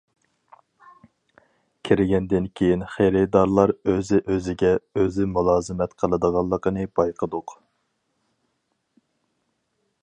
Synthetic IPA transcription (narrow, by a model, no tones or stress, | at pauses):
kʲʰɪɾɪɡʲɛnd̪ɪnkʲʰejinχeɾɪd̪ɑɾlˠɑɾøzɪʔøzɪɡʲɛøzɪmulˠɑːzɨmɛt̪qʰəlˠɨd̪əʁɑlˠːəqənɨbɑjqʰəd̪ʊq